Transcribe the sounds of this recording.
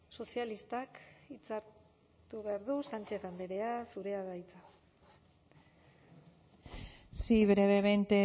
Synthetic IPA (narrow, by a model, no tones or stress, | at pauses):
so̞sialist̪akit͡saɾ | t̪uβe̞aɾðusant͡ʃe̞θand̪eɾe̞asuɾe̞aðajt͡sa | siβɾeβeβent̪e